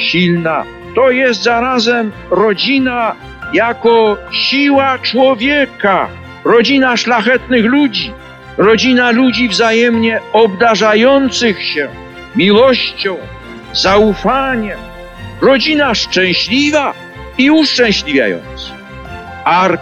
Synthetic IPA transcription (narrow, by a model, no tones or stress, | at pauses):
ɕilna̰ | t̪ɔjɛs̬t̪zaɾazɛm | ɾɔd͡ʑina | jakɔɕiwat͡ʂwɔvʲjɛka | ɾɔd͡ʑinaʂlaxɛt̪nɘxlud͡ʑi | ɾɔd͡ʑinalud͡ʑivzajɛmɲɛɔbd̪aʐajɔnt̪sɨxɕɛ | mʲiwɔɕt͡ɕɔ̃w̃ | zaufaɲɛm | ɾɔd͡ʑinaʂt͡ʂɛ̃w̃ɕlʲiva | iuʂt͡ʂɛ̃w̃ɕlʲivʲja̰jɔ̰nt̪sɨ̥x | aɾ